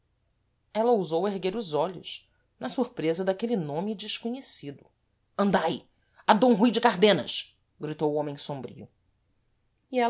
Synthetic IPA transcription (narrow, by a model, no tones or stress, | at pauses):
ɛlɐowzoweɦɡeɾʊzɔʎʊ̰ʃ | nɐsuɾpɾezɐd̪akelinõmid͡ʒɪʃkoɲesid̪ʊ | ɐ̃nd̪aj | ɐd̪õɦujd͡ʒɪkaɾd̪ẽnɐ̰ʃ | ɡɾit̪owuõmẽj̃sõmbɾḭʊ | iɛ